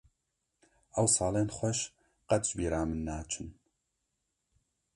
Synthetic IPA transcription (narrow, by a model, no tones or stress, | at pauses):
ʔɐwsɑːlenχʷɐʃ | qɐt̪ʒbiːɾaːmɨnːaːt͡ʃʰɨn